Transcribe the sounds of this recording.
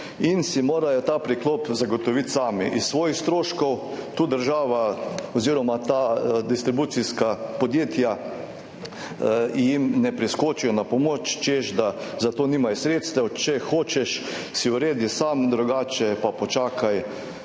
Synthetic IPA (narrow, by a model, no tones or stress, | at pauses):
insimoːɾajɔt̪aːpɾikloːpzaɡɔt̪ɔʋit̪saːmiʔisːʋɔːjixst̪ɾoːʃkɔwt̪uːd̪əɾʒaːʋaɔziːɾɔmat̪ad̪ist̪ɾibuːt̪siskapɔd̪jeːt̪ja | jimnɛpɾiskoːt͡ʃijɔnapɔmot͡ʃt͡ʃeʃd̪azat̪oːniːmajsɾeːt̪st̪ɛwt͡ʃɛxoːt͡ʃɛʃsiuɾeːd̪isamd̪ɾuɡaːt͡ʃɛpapɔt͡ʃaːkʰaj